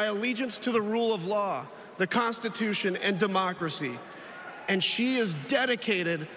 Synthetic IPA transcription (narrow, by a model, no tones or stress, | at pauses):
ɪəlid͡ʒɨ̃nstʰɨðəɹulˠʌvlɔ | ðɨkʰɑ̃nstɨtʰʉʃɨ̃nɨ̰̃ndɨmɑkɹɨsḭ | ɨ̃nʃiɪzdɛɾɨkʰeɪɾɪd